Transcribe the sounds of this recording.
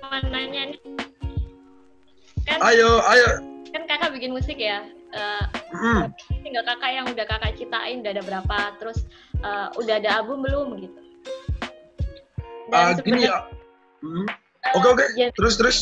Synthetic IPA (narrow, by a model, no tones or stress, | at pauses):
anaɲanɪ | kanajoajokankakabikɪnmusɪkjaʔəː | t̪iŋɡalkakajaŋudahkakat͡ʃit̪aʔɪnudaadabəɾapat̪əɾʊs | ʔəːudaɦadaːbʊmbəlʊmɡit̪u | aɡija | m̩ | okeokeat̪əɾʊst̪əɾʊs